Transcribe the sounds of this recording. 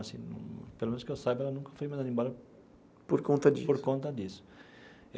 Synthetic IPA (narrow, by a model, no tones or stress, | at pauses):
asḭ̃nṵ̃pelomẽnʊskewsajbʊɛlɐnũkɐfojmad̪aɐd̪ĩbɔlɐ | poɾkõnt̪ɐd̪ipoɾkõnt̪ɐd̪isʊ̥